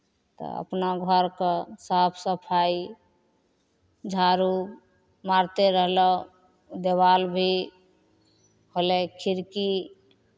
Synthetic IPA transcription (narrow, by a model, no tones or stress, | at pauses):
t̪ɔ̰ə̰pnaɡʱəɾkəsapʰsəpʰai | d͡ʒʱaɾu | maɾt̪eɾəɦlɔ | d̪ebalbʱi | ɦolekʰiɾki